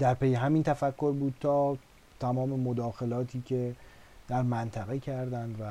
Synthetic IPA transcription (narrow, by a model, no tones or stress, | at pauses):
d̪̥æɾpejeɦæmiːnt̪ʰæfækʰːo̞ɾbuːd̪̥̚t̪ʰɒː | t̪ʰæmɒːme̞mod̪ɒːxe̞lɒːt̪ʰiːcʰe̞ | d̪̥æɾmænt̪ʰæɣe̞cʰæɾd̪ænd̪væ